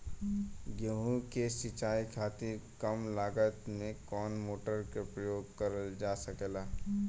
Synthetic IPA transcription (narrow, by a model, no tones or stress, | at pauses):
ɡjoɦũkesɪt͡ʃaːikʰaːt̪ɪɾkəmlaːɡət̪mẽkɔːnmoːʈəɾkepɾəjoːɡkəɾəd͡ʒaːsəkeːlaː